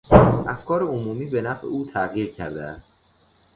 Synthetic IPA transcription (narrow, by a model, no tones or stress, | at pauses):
ʔæfkʰɒːɾeomuːmiːbe̞næfʔḛuːt̪ʰæɣiːɾcʰæ̰ɾd̪ḛæst̪